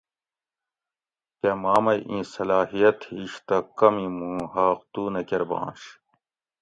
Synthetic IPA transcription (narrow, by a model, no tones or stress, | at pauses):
kemaːmɐjʔĩːsɐlaːɦijɐt̪hiɕt̪ɐkɐmimũːɦaːqt̪uːnɐkeɾbɑ̰̃ːnɕ